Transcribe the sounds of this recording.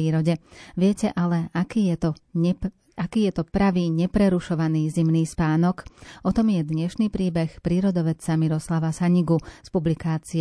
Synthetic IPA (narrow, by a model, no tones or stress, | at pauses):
iːɾɔɟɛʋɪɛcɛʔalɛakit̪ɔ | akiːjɛt̪ɔpɾaʋiːɲɛpɾɛɾuʃɔʋaniːzimniːspaːnɔkʔɔt̪ɔmjɛd̪ɲɛʃniːpɾiːbɛxpɾiːɾɔd̪ɔʋɛt͡samiɾɔslaʋasaɲiɡuspublikaːt͡siɛ